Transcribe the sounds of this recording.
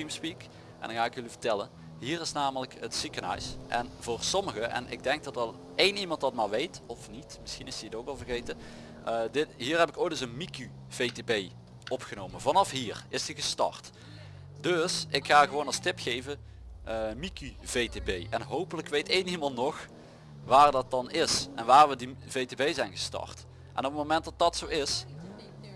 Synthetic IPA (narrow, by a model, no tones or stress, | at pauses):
imspik | ɛ̰ndɑnxaːɪkjɵlivətɛlən | ɦiːrɪsnaːmələkətsikənœ̰ɥsʔɛ̰nvʊːrsɔməɣəʔɛ̰nɪ̰ɡ̚dɛŋk̚dɑtɑlˠ | ejnimɑntdɑtmaːɹʋejtɔfnitmɪsxinɪstiətowkɑlˠvərɣejtə | dɪtɦiːrɦɛpɪkoːjtdɵs̬ənmiky | v̥ejtebej | ʔɔpxənowmənvɑnɑfɦiːrɪsdiɣəstɑ̰rt | dɵsɪkxaːɣəʋownɑstɪpxejvə | mikyv̥ejtebejɛnɦowpələkʋejtejnimɑntnɔx | ʋaːrdɑt̚dɑnɪsʔɛnʋaːrʋədivejtebejzɛjnɣəstɑ̰rt | ʔɛ̰nɔpətmomɛnt̚dɑt̚dɑtsowɪs